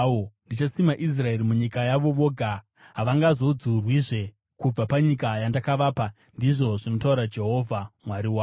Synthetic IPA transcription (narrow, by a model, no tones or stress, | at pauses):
ondit͡ʃasimaʔis̬rae̞ɾimuɲikajaʋo̞ʋo̞ːɡʱa | ɦaʋaŋɡazo̞d͡zurwiʐe̞ | kub͡vapaɲikajandakaʋaːpa | ndiʐo̞ʐino̞tauɾad͡ʒe̞ɦo̞vʱamwaɾiwaːo